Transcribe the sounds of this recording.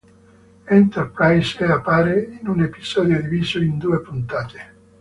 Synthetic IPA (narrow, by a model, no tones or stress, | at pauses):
ɛnt̪ɛrpɾajseapːaːɾeinunepiz̥ɔːd̪jod̪iviːzoind̪uːepunt̪aːt̪e̥